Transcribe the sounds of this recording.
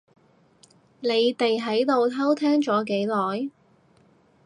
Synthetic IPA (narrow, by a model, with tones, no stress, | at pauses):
ne˨˧jt̪e˨jɦɐ˨˥jt̪o˨wt̪ʰɐ˥wt̪ʰɛː˥ŋt͡ʃɔː˨˥k̬e˨˥jlɔː˨j